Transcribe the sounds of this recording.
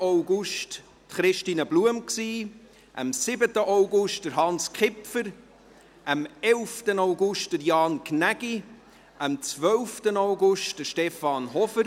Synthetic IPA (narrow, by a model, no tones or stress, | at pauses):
owɡuʃt | tχɾɪʃtiːnəbluəmksiː | ʔə̰msɪbətəʔoʊɡʊʃt̚d̥əɾɦɑnskχɪpfəɾ | ʔəmɛlftənoʊɡʊʃt̚d̥əɾjɑːnknæɡi | ʔəmt͡svœlftənoʊɡʊʃtd̥əɾʃtɛfɑnɦɔfəɾ